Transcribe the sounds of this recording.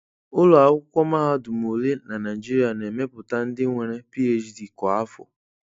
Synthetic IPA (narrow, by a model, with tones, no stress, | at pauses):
ʊ˦lʊ˨a˨˦ʊ˦kʷɔ˦ma˦ɦa˦dʊ˨m˨o˨le˦na˨na˨i˨d͡ʒi˦ɾi˦a˨ne˨me˦pʊ˨ta˦n̩˦dɪ˦ŋʷe˨ɾe˦pi˦e˦d͡ʒdi˨kɔ˨a˦fʊ̰˨